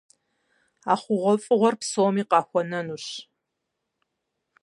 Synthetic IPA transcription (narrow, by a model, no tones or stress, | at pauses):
aːχʷʊʁʷɔfʼɨʁʷɔrpsoːmiːqɑːxʷɔnɐnuːɕ